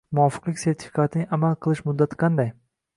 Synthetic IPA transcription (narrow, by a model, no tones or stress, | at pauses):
mʊɒfɨ̥qlˠɪkʲse̞ɾt̪ʰɪ̥fi̥kʰat̪ʰɪnɪʔamalˠqʰɨlˠɪʃmʊd̪ːat̪ʰqʰɑnd̪aj